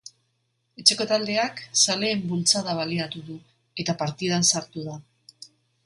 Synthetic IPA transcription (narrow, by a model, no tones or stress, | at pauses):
e̞t͡ʃe̞ko̞t̪ald̪e̞aksale̞ːmbult͡saðaβ̞aliat̪uðu | e̞t̪apaɾt̪ið̞ansaɾt̪uða